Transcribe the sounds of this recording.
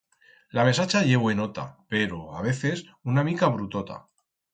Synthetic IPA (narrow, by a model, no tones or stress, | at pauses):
lame̞sat͡ʃaʝe̞βoeno̞t̪a̰pe̞ɾo̞aβ̞e̞θe̞s | unamikaβɾut̪o̞t̪a̰